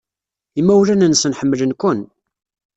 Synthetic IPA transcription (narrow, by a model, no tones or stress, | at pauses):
imːæwlænənsənħəmːələnkʷʊn